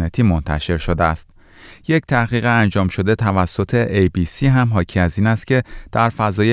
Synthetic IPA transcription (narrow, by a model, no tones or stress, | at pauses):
net̪ʰiːmont̪ʰæ̰ʃe̞ɾʃod̪eæst̪̚ | je̞ct̪ʰæhɣiːɣeænd͡ʒɒːmʃo̞d̪e̞t̪ʰævæsːo̞t̪ʰe̞ʔejbisiːɦæmɦɒːcʰiæziːnæst̪̚cʲʰe̞d̪̥æɾfæzɒːje